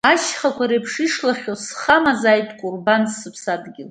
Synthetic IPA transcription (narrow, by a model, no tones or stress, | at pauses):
aʃχakʷʰaɾepʰʂiʂlaχʲosχamazaːjtʼkʷʼʊrbansɨpʰsadɡʲɪl